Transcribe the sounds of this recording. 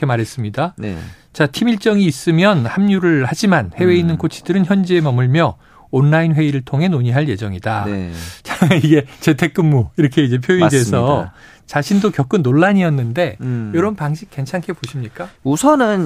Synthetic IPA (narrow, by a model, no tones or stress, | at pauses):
emaɾɦe̞s͈ɯmɲidan̰ | t͡ɕatʰimiɭt͡ɕ͈ʌŋiːs͈ɯmjʌnhamɲuɾɯɭhad͡ʑimanhe̞we̞inːɯnkot͡ɕʰi̥d̥ɯɾɯnçjʌnd͡ʑie̞mʌmuɭmjʌː | nːainɸwe̞iɾɯɭtʰoŋɦe̞noɲiɦaɭje̞d͡ʑʌŋidat͡ɕaiɡe̞t͡ɕe̞tʰe̞k̚k͈ɯmːuiɾʌkʰeid͡ʑe̞pʰjoidesʰʌ | t͡ɕaɕʰindokjʌk͈ɯnːoɭːaɲiʌnːɯnde̞jʌɾʌbnpaŋɕʰik̚k͈e̞nt͡ɕʰankʰe̞poɕʰimɲik͈ausʰʌnɯn